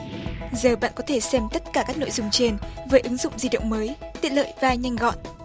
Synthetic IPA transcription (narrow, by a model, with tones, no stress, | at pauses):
zəː˨˩ɓa̰ː˧˨nkɔ˨˦t̪ʰe˧˩sɛ˧mt̪ə˦˥t̚kaː˧˩kaː˦˥k̚no̰˧˨jzʊ˧˩ŋ͡mt͡ɕe˧nvəː˨˦jʔɨ˨˦ŋzʊ̰˧˨ŋ͡mzi˧ɗə̰˧˨wŋ͡mməː˨˦jt̪ḭ˧˨ələ̰ː˧˨jvaː˧jɲa˧jŋ̟ɣɔ̰˧˨n